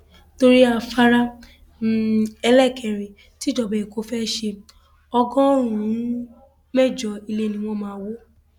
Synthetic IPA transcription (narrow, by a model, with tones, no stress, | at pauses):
to˧ɾi˦a˧˨fa˦ɾa˧˦ | ɛ˧lɛ˦˨kʰɛ˨ɾe˨ | ti˨˦d͡ʒɔ˨bɛ˨i˨ko˧˦fɛ˦˧ʃe˧ | ɔ˧ɡɔ̃˦ɾ̃ũ˨˦ | mɛ˦˨d͡ʒɔ˧i˧le˧˦˨nĩ˧w̃ɔ̃˧mãː˧˦wo˦